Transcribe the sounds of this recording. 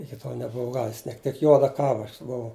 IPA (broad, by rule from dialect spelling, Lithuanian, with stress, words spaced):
ɪkʲɪ ˈtoːlˠ nʲɛbʊˈʋɐʊ ˈɡɑːʋʲɪs ˈnʲiɛk tʲɪk ˈjuɔdɐ ˈkɑːʋɐ ˈɐʃ bʊˈʋɐʊ